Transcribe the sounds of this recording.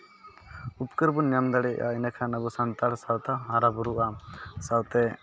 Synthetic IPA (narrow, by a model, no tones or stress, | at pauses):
upkəɾbunjamd̪aɽɛʔa̰inakʰanəbusant̪aɽsawt̪aɦaɾabuɾuʔasawt̪ɛ